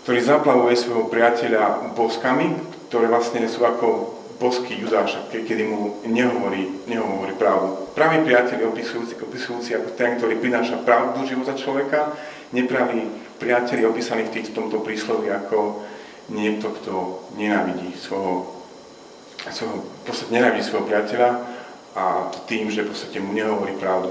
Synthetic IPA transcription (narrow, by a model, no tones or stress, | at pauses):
kt̪ɔɾiːzaplaʋujɛsʋɔjɦɔpɾɪacɛʎabɔskamikt̪ɔɾɛːʋlasɲɛsuːakɔ | bɔskiːjud̪aːʃakɛkɛd̪imuɲɛɦɔʋɔɾiːɲɛɦɔɦɔʋɔɾiːpɾaːʊd̪upɾaːʋiːpɾɪacɛʎiɔpisuiɔpiːsujuːt͡siakɔt̪ɛnk̚t̪ɔɾiːpɾinaːʃapɾaʊd̪nuʒiʋɔt̪at͡ʃlɔʋɛka | ɲɛpɾaʋipɾɪacɛliɔpiːsaniːft̪iːt̪ɔ̥t̪ɔmt̪ɔpɾiːslɛʋiakʰɔ | ɲɪɛk̚t̪ɔkt̪ɔɲɛnaːʋiɟisʋɔjɦɔ | sʋɔjɦɔpɔt͡sst̪ḁcɛɲɛnaːʋiɟiːsʋɔjɦɔpɾɪacɛʎa | at̪iːmʒɛfpɔst̪acɛmuɲɛɦɔʋɔɾiːpɾaʊd̪u